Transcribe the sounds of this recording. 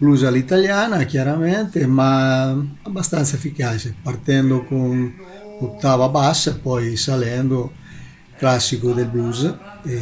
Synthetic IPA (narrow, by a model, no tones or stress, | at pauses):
bluzalit̪aljaːnak̟jaɾameɛnt̪ema | abːast̪ant̪saefikat͡ʃepart̪ɛnd̪okun | ot̪ːaːvabasːapɔjsalɛnd̪o | klasːikod̪elbuz | e